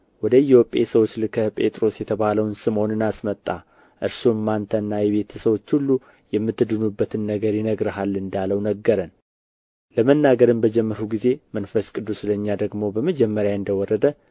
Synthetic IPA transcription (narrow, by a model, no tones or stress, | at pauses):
wɔd̪əɪho̞pʼesəwo̞t͡ʃːlɨkʰəpʼe̞t̪ʼɾo̞sjɛt̪ʰəβaləwnsɨmo̞nɨnasmət̪ʼːa | ʔɨɾsumːant̪ʰənːajɛβe̞t̪ʰəsəwo̞t͡ʃːhulːu | jɛmːɨt̪ːɨd̪ɨnubːət̪ʰɨnːəɡəɾjinəɡɾɨɦalːɨnd̪aləwnəɡːəɾən | ləmənːaɡəɾɨmbəd͡ʒɛmːəɾuɡize̞mənfəskʼɨd̪ːusləɲːad̪əɡmo̞bəməd͡ʒɛmːəɾjaɨnd̪əwɔɾːəd̪ə